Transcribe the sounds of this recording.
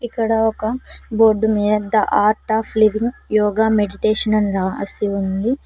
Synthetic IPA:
ikːɐɽɐɔkɐboɾɖumiːd̪ɐʔaːɾʈaːpʰliʋiŋɡjɔːɡaːmeɖiʈeːʂɐnɐnɾaːʋɐ̰siund̪i

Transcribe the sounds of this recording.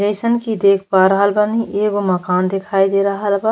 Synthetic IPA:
ɾeːsənkid̪eːkʰpaɾɐɦəlbɐnĩʔeːɡomɐkaːnd̪ekʰaːid̪eːɾɐɦlba

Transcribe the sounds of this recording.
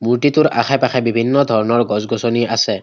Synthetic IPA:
muɹtitʊɹa̰xʰapaxʰɛbibʱinːɔdʱɔɹɔnɔɹɡɔzɡɔsɔniasɛ

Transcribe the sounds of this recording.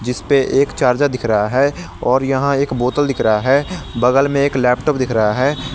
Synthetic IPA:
d͡ʒɪspeʔeːkt͡ʃaːɾd͡ʒad̪ɪkʰɾəɦaɦɛ | ɔːɾjɐɦãeːkboːt̪əld̪ɪkʰɾəɦaɦɛːbɐɡəlmẽeːklɛːpʈoːp̚d̪ɪkʰɾəɦaɦɛː

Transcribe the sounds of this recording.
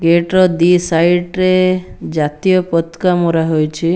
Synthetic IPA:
ɡeʈɾɔd̪isajʈɾed͡ʒat̪ijɔpɔt̪kamɔɾaɦojt͡ʃʰi

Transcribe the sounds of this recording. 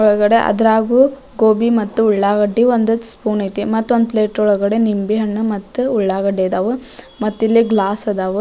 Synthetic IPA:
ɔɭɡɐɽe̞ʔɐ̰d̪ɐɾaːɡuː | ɡoːbimɐt̪ːuuɭːaːɡɐɖːiʋond̪uspuːnɐt̪imɐt̪ːuond̪̚pleːʈɔɭɐɡɐɽe̞nimbiɦɐɳːumɐt̪ːuuɭːaːɡɐɖeːd̪aːʋu | mɐt̪ːilːiɡlaːsɐd̪aːʋu

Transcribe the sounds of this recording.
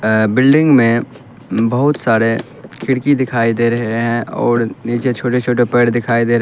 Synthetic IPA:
bɪlɖɪ̃ŋɡmẽ | bɐɦʊt̪saːɾe | kʰɪɽkid̪ɪkʰaːid̪eːɾɐɦeɦɛ̃ʔɔːɾniːt͡ʃet͡ʃʰoːʈet͡ʃʰoːʈepeːɽd̪ɪkʰaːid̪eːɾ

